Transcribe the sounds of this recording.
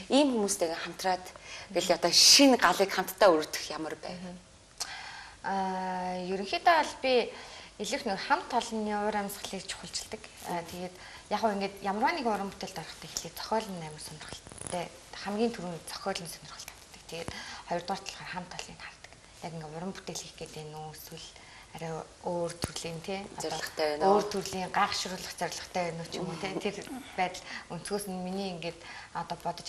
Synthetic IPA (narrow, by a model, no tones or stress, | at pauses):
iːmxumuːst̪ʰeɣeχam̥t̪raːt̪ɡeɮɔt̪ɔʃinɢaɮiːkχam̥t̪ʰːaːɵɾt̪ɘ̥̆xjamə̆rpæ̰ːw | jɵɾɵ̆ŋxiːt̪aɮpʲieɮɘ̆wxnʊkχamt̪ʰːɔɮnɔɾæmsɢə̆ɮiːrt͡ɕʰʊ̥χə̆ɬt͡ɕɪ̥̆ɮt̪ə̆kː | t̪ʰeɣeːt̪ | jaːχʊːiŋɡeːt̪jamərwaːniːkʊɾə̆mpu̥t̪eːɮt̪ɔɾə̆χt̪ʰæːxeɮeːtt͡sʰɔ̥xʲœːɮə̆nːæːmə̆rsœnɪ̆rχə̆ɬt̪ːæː | χæmɡʲiːnt̪ʰuɾuːntt͡sʰɔ̥xʲœːɮə̆nsœnʲɪ̆rχə̆ɬt̪ʰḁt̪t̪ːə̆k̚t̪ʰeɣeːt̪χɔjɞ̆rt̪ʁaːr̥t̪ʰɔ̆ɮʁɔːrχam̥t̪ʰːɔɮḭːnχart̪ə̥̆k | j̪aɣʲĭŋɡʊɾə̆mput̪eːɮiːxɡet̪eːnuːsuɮ | aɾʲaː | oːrt̪ʰurɮiːnt̪ʰeːɔɔə̆χt̪ːoːrt̪ʰurɮiːŋɢaːχʃʊɾʊːɮə̆χt͡sœɾʲɮə̆χt̪ʰæːnʊːt͡ɕʰɪmunt̪ʰeːt̪ʰerpæːt̪ə̆ɮun̥sɣoːsɘ̆nminiːŋɡeːt̪ɔt̪ɔːpɔt̪ɞ̆t͡ɕ